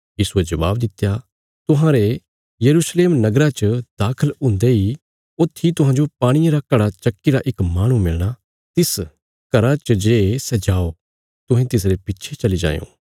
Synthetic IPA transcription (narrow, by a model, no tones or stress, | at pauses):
jiːsued͡ʒɐba̰ːbd̪ɪt̪ːja | t̪ʊɦãːɾe | jɐɾuːsleːmnɐɡɾat͡ʃəd̪aːkʰəlʊ̃ːnd̪eɦi | ʊt̪ʰːit̪ʊɦãːd͡ʒopaːɽ̃iẽɾakɐɽat͡ʃɐkːiɾaʔɪkmaːɽ̃ũmɪlɽ̃a | t̪ɪs | kɐɾat͡ʃəd͡ʒeːsɛd͡ʒaːo | t̪ʊɦẽt̪ɪs̬ɾepɪtːʃʰet͡ʃɐlid͡ʒã̰ːjõ̰ː